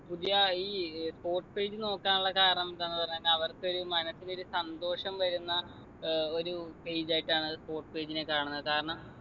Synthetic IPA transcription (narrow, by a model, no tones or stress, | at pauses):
pud̪ijɐiːspo̞ːrʈɨ̥pe̞ːd͡ʑɨno̞ːkːaːnuɭːɐkaːɾɐɳɐmt̪ɐnːɨpɐrɐɲːɐlːeɐʋɐrko̞ɾumɐnɐsːino̞ɾusɐnd̪o̞ːʂɐmʋɐɾunːɐ | o̞ɾupe̞jd͡ʑaːjiʈːaːɳɨspo̞ːrʈːɨ̥pe̞ːd͡ʑine̞kaːɳunːɐðkaːɾɐɳɐm